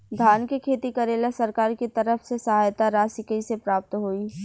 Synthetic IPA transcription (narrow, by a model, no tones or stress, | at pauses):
d̪ʱaːnkekʰeːt̪ikɐɾeːlasɐɾkaːɾkit̪ɐɾəfʰsesɐɦaːjt̪aɾaːsɪkəisepɾaːp̚t̪ɦoːiː